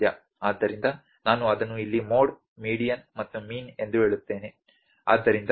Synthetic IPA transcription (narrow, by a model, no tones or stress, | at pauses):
jɐ | aːd̪ːɐɾind̪ɐ | naːnuɐd̪ɐnːuilːimo̞ːɖ | miːɽijɐnmɐt̪ːumiːne̞nd̪uɦe̞ːɭut̪ːe̞ːne | a̰ːd̪ːɐɾind̪